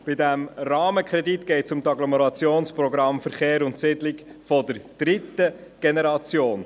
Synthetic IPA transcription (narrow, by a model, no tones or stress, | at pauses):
b̥ɪdæmrɑːməkʰɾɛdit̪ɡ̥ɛɪtsʊmt̪ɑɡlɔməɾɑt͡sjoːnsprɔɡɾɑmfəɾχeːɾʊntsɪdlɪkfɔdəɾd̥ɾɪtːəɡ̥enɛɾɑt͡sjoːn